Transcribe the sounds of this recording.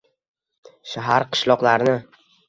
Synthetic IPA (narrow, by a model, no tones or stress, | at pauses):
ʃaɦaɾqʰɨ̥ʃlɒqlaɾnɪ